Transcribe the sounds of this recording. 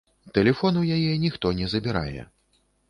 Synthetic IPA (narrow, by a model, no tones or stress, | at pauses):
t̪ɛlʲɛfɔnwjajɛnʲixt̪ɔnʲɛzɐbʲiɾa̰jɛ̰